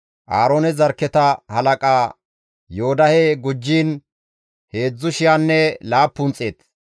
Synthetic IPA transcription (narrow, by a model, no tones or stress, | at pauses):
ʔaːɾoːnɛzɐɾkːɛt̪ɐhɐlɐkʼaː | joːd̪ɐhɛɡʊd͡ʒːiːn | he̞ːd͡zːʊʃɪjanːɛlaːpːʊnt͡sʼeːt̪